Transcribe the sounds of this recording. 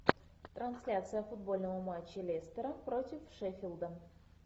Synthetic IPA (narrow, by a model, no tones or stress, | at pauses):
t̪ransʲlʲat̪sɨjəfud̪̚bo̞lʲnəvəmat͡ɕːelʲest̪ʲəɾəprot̪ʲɪfʂefʲilˠd̪ən